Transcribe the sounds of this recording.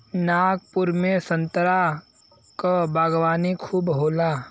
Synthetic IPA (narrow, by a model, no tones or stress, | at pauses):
naːk̚pʊɾmẽsə̃nt̪əɾa | kabʱaːɡwaːnikʰuːbɦoːlaː